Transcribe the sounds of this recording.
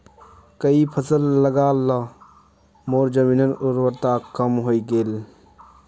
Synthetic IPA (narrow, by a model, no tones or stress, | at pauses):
kəipʰəsəlːəɡaːla | moːɾd͡ʒəmiːnənʊɾwəɾt̪aːkəmɦoːiɡeːl